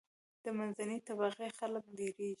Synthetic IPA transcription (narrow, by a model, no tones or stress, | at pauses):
d̪̥əmanzanit̪aβaɣexalək̚d̪eɾeʒi